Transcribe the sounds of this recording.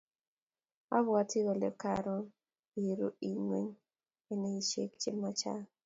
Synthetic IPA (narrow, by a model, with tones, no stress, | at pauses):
a̰˦βwa˦tɪ˦ɣɔ˨le˨ka̰˨ɾɔ˦ | i˨ɾo̰˦i˨ɲwe˦ɲ | e˦ne˦i˨t͡ʃḛ˦kt͡ʃɪ˦mːɔ˦t͡ʃa̰˦